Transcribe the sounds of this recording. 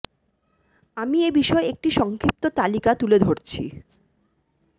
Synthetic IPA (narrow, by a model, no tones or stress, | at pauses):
amiebiʃɔeek̚ʈiʃɔŋkʰip̚t̪ot̪alikat̪uled̪ʱoɾt͡ɕʰḭ